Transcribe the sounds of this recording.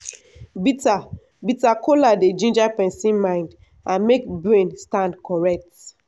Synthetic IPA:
bita | bitakʰoladed͡ʒĩnd͡ʒapɛ̃nsĩnmãɪ̃nd | ãnmekbɹẽnstãndkɔɹɛk̚t

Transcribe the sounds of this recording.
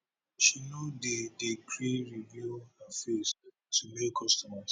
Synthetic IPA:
ʃinodedekɾieɹivjuafɛs | tʰumekʰɔstɔmas

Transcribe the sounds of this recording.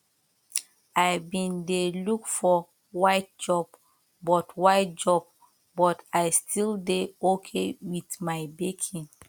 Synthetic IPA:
ajbĩndelukfɔ | waɪt̚d͡ʒɔb̥ | bɔtwaɪt̚d͡ʒɔb̚ | bɔtajstʰildeokʰewitmaɪbekʰĩŋ

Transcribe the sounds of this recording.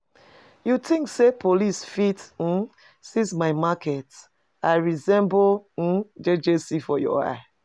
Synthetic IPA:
jutĩŋksepolisfitn̩ | sĩsmaɪmakʰɛt | aɪɹizɛ̃mbod͡ʒed͡ʒesifɔjɔ̰a̰ɪ

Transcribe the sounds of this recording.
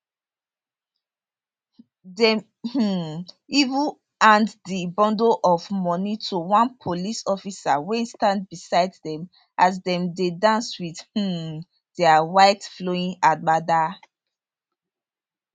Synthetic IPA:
dɛ | h̩ | ivu | ãnddibɔ̃ndoʔɔvmɔnitʰuwãnpʰolisɔfisawẽstãnd̚bisaɪddɛ̃m | azdɛ̃mdedãnswið̥hũ | d̥eawaɪtfloĩŋamada

